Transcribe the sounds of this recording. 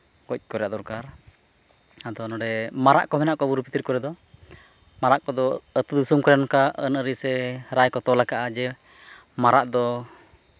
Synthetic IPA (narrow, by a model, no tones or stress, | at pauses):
kɔc̚ˀkɔɾjaʔd̪ɔɾkaɾ | ad̪ɔnɔɽɛmaɾa̰ʔkɔmɛnaʔkɔbuɾupit̪iɾkɔɾɛd̪ɔ | maɾaʔkɔd̪ɔət̪ud̪usumkɔɾɛnkaʔənəɾisɛɾajkɔt̪ɔlakaʔad͡ʒɛ | maɾaʔd̪ɔ